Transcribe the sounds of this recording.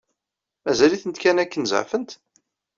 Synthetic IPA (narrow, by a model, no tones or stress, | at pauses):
mæzæliθənt̪kænækːənzə̰ʕfənt̪